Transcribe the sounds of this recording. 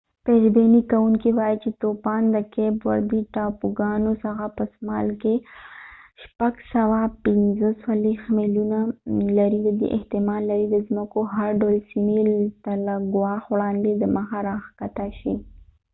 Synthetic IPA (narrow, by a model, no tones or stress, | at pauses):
peɾbenikawuŋkiwɑjit͡ʃet̪opɑnd̪əkebwa̰ɾd̪iʈɑpuɡɑnosaxapəsmɑlke | ʃpaɡsawapɪnzəswalexmelunalaɾid̪əd̪ḛʔɪht̪ɪmɑnlaɾid̪əzməkoɦaɾɖawlsimit̪alaɡwɑxwɽɑnd̪ed̪əməxaɾɑxkat̪aʃi